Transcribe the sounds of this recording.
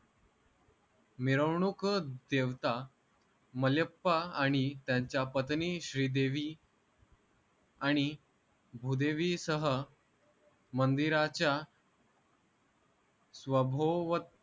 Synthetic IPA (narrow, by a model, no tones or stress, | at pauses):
miɾəwɳukd̪eʋt̪a | məljəpːaːɽ̃it̪jãɲt͡ɕjapət̪niɕɾiːd̪eʋiː | aɽ̃i | bʱud̪eʋisəɦə | mənd̪iɾat͡ɕja | sʋəbʱoʋət̪̚